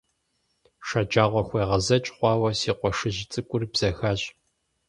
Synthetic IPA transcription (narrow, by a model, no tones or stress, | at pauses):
ʂɐd͡ʒaːʁʷɔxʷeːʁɐzɐt͡ʃʼχʷɑːwɐsiːqʷɔʂɨʑɪt͡sʼɨkʷʼʊrbz̥ɐxaɕʼ